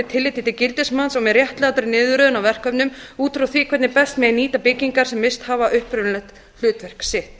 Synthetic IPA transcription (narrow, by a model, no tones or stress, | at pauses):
t̪ʰɪlːɪt̪ːɪt̪ɪcɪlt̪ɪsmansɔmɛðrjɛht̪lɛat̪aɾɪnɪːðʏɾœðʏnawvɛr̥kœpnʏmuːt̪ɾuθviːkʰɛt̪nɪpɛst̪mɛðɛniːt̪apɪcːiŋkaɾsɛmːɪst̪haːvaʔʏhpɾʏnlɛxt̪ | l̥ʏːt̪vɛr̥ksɪht̪